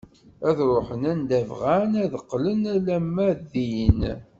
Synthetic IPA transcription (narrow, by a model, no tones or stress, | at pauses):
æðɾˤoħənænd̪ævʁænæðəqːlənælæmːæðin